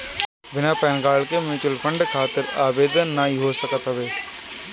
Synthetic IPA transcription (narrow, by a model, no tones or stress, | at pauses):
bɪnapɛːnɡaːɭkemuːt͡ʃɪlfʰə̃ɳɖkʰaːt̪ɪɾaːbeːd̪ənːaːɦiɦoːsəkət̪ɦɐʋeː